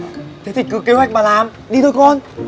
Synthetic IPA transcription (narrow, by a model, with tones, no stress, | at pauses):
t̪ʰe˨˦t̪ʰi˨˩kɨ˨˦ke˨˧˦hwa˨˩k̟̚maː˨˩laː˨˩m | ɗi˧o˧˦jkɔ˧n